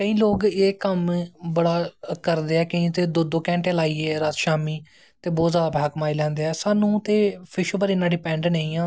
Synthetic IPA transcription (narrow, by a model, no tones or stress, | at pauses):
kəĩːloːɡeːkəmbəɽaːkəɾd̪eːɛːkəĩːt̪eːd̪od̪okɛ̃ːɳʈeːlaːiːeːɾət̪ʃaːmiː | t̪eːboːzaːpːɦəkmaːilɛ̃ːnd̪eːɛːsaːnũːt̪eːpʰɪʃoːbəɾɪnːãːɖɪpɛ̃ːɳɖneĩːãː